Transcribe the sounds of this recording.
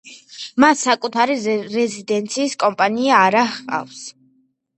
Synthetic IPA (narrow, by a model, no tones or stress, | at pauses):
masːakʼut̪ʰaɾiɾɛzid̪ɛnt̪sʰiːskʼɔmpʼaniaːɾaχa̰fs